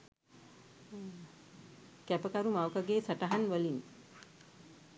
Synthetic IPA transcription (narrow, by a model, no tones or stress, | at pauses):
kæpəkaɾumawkaɡeːsaʈaɦanʋəlin